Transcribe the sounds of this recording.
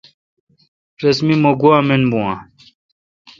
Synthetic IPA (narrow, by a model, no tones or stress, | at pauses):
ɾɐsmimoɡuamenbũwã